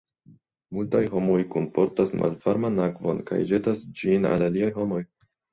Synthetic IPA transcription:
multajɦo̞mo̞jkompo̞ɾtasmʔa̰lfaɾmanakvo̞̰nka̰jd͡ʒe̞tasd͡ʒina̰laliajɦo̞mo̞j

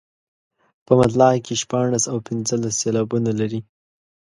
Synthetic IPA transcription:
pəmat̪̬lɑkeʃpɑɳ̃asawpɪnzəlasːelɑbunalaɾi

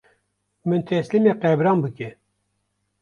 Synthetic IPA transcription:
mɨnt̪ʰɛslimeːqɛbɾɑːnbɨkɛ

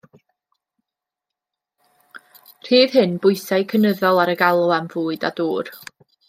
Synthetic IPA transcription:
r̥iːð̥hɨnbʊɨsaɨkʰənəðɔlˠaɾəɡalˠʊamvuːɨda̰duːr

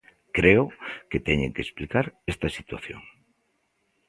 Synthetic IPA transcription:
kɾeoket̪eɲeŋkesplikaɾest̪asit̪waθjo̰ŋ

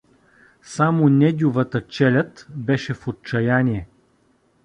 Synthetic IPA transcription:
samonɛd̪ʲʊvət̪ət͡ʃɛlʲət̪bɛʃɛfot̪̚t͡ʃɐjanʲiɛ

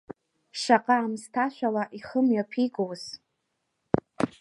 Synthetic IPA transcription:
ʂaqʼaːmstʰaʃʷᶣalaʔiχəmɥapʰiɡʼowz

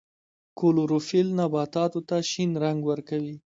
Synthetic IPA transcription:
koloɾofilnabɑt̪ɑt̪ot̪aʃinɾaŋɡwəɾkawi

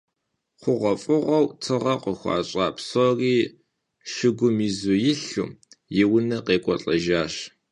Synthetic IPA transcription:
qʷʊʁʷɐfʼʊʁʷɐwtʰɨʁɐqʷəxʷɑ̰ːɕʼɑːpsɔriː | ʃɪɡʷʊmiːzujɪɬṵːjɪwʊnɐqeːkʷʼɔɬʼɐʒaːɕ

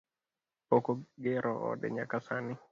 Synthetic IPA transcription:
ɔkɔɡɛɾʔɔɔ̰ɗɛ̰ɲakasani

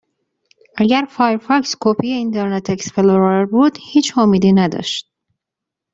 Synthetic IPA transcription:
ʔæɟæɾfɑjɾfɑkskʰopʰijeint̪ʰeɾnet̪ʰeksfeloɾeɾbuːd̪̥hiːt͡ʃʰhomiːd̪iːnæd̪ɒ̰ʃt̪̚

